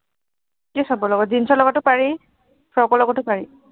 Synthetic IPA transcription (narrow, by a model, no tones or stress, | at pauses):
kisabɔlɔɡɔzinsɔlɔɡatʊpaɹi | pʰɹɔkɔlɔɡɔtʊpaɹi